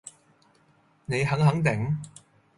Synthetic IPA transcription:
ne˨˧jɦɐ˨˥ŋɦɐ˨˥ŋt̪ɪ˨˩ŋ

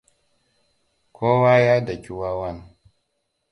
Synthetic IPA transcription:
kʷʰoː˦waː˦jaː˦da˨kʲi˦wa˦wa˦n

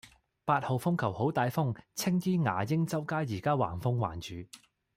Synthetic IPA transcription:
paː˧t̚ho˨wfʊ˥ŋkʰɐ˨˩who˨˥wt̪aː˨˧jfʊ˥ŋt͡sʰɪ˥ŋjyː˥ŋa̰ː˨˩jɪ˥ŋt͡sɐ˥wkaː˥jiː˨˩kaː˥wa̰ː˨˩nfʊ˥ŋwa̰ː˨˩nt͡ʃyː˨˧

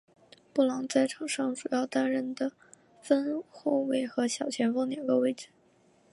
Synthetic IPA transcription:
pu˥˩lɑ˧˥ŋt͡sa˥˩ɪʈ͡ʂʰɤɑ˨˩ŋʂɑ˥˩ŋʈ͡ʂu˨˩jɑ˥˧ʊt̪a˥nɻə˥˩nd̪ə˩ | fə˥nxo˥˩ʊwe˥˩ɪxɤ˧˥ɕjɑ˨˩ʊt͡ɕʰjɛ˧˥nfɤ˥ŋnjɑ˨˩ŋɡə˧we˥˩ɪʈ͡ʂ̩˨˥˩

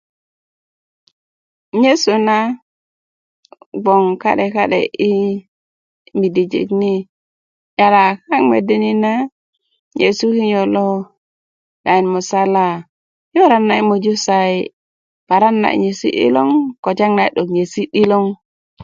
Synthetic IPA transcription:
ɲe˦su˨na˦ | ɡ͡bo˨ŋka̰˦ɗe˨ka˦ɗḛ˨ʔi˦ | mi˨di˨d͡ʒḭ˨kni˦ | ja˨la˨ka˦ŋmḛ˨de˦ni˦na˦ | ɲḛ˨su˦hi˦ɲo˨lo˦ | ɗa˨i˨nmu˨sa˦la˦ | jo˦ɾa˦nːa˨i˦mo˨d͡ʒu˦sa˨i˨ | pa˨ɾa˦nːa̰˨ḭ˨ɲe˨sḭ˦ɗḭ˦lo˦ŋko˨d͡ʒa˦ŋna˨ɗo˨kɲe˨si˦ɗi˦lo˦ŋ

